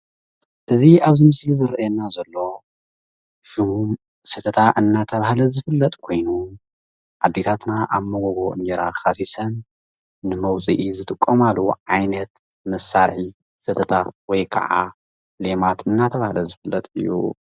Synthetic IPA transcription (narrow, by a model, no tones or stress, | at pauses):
ʔɨziaβzimɨslizɨɾjɛnazɐlːo̞ | ʃuhum | sɨt̪ʰɐt̪ʰaʔɨnːat̪ʰɐβahlɐzɨfɨlːɐt̪ʼkʰo̞jnu | ʕad̪ːet̪ʰat̪naʔaβmɐɡoɡoʔɨ̰nd͡ʒɛɾa̰xasisɐnː | ɨmɐwt͡sʼiʔizɨt̪ʼɨkʼːomaluʕajnɐt̪ | mɐsːaɾħi | sɨt̪ʰɐt̪ʰawɔjkʰɐ̰ʕa̰ | le̞mat̪ʰɨnːat̪ʰɐβahlɐzɨfɨlːɐt̪ʼɨ̰jːṵ